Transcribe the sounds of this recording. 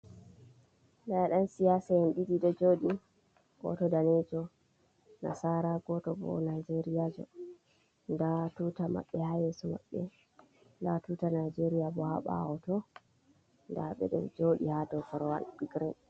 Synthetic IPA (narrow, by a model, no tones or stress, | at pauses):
daaɗansijaːsahɛnɗidiɗɔd͡ʒoːɗi | ɡ̥ɔ̰tɔdanɛd͡ʒɔ | na̰saɾaɡɔtɔbɔ̰najd͡ʒeɾijad͡ʒɔ̰ | ndatuːtama̰ɓːɛhajɛsuma̰ɓːɛ | ndatutanajd͡ʒeɾijabɔhaɓa̰wɔtɔ | ndaɓɛ̰ɗɛ̰d͡ʒoɗihatɔfɔɾɔwa̰nbiɡɾɛn